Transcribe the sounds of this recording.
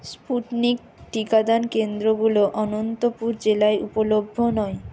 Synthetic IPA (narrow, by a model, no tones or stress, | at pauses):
spuʈnik̚ | ʈikad̪ankend̪ɾoɡuloʔɔnont̪opuɾd͡ʑelaeʔupolobʱːonɔe